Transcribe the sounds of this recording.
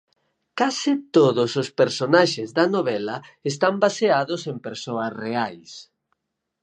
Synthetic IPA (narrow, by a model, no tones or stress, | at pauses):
kasɪt̪oðʊsospeɾsonaʃezðɐnoβ̞ɛlɐest̪ambaseaðʊsempeɾsoɐsreajs